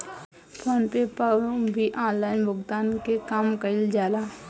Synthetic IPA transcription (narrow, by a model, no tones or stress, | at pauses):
pʰoːnpepə̃bʱiʔãːnlaːɪnbʱʊɡd̪aːnkekaːmkəɪld͡ʒaːlaː